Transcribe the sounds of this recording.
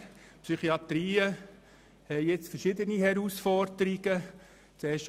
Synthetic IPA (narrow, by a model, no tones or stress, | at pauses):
psyχiɑt̪ɾiːə | hɛjjet͡sfəʃɪdənihɛɾuːsfɔɾd̪̥əɾiɡ̥ə | t͡sɛːʃ